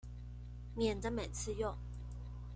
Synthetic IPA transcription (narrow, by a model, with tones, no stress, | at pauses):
mjɛ˨˩nd̪ə˦me˨˩ɪt͡sʰɹ̩˥˧jʊ˥˨ŋ